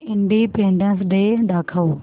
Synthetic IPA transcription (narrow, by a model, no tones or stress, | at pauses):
ɪ̃ɳɖipẽːɳɖənsɗeɗ̪aːkʰəoː